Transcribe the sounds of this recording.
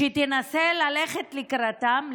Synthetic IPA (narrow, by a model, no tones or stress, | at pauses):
et̪enaselaleχet̪likɾat̪am